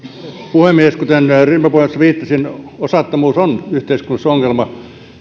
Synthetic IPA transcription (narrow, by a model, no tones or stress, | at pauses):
puhemːieskut̪enrimːpɑpuhesːɑʋiːt̪ːɑsinosɑt̪ːɑmuːsonyht̪eiskunːɑsoŋːelmɑ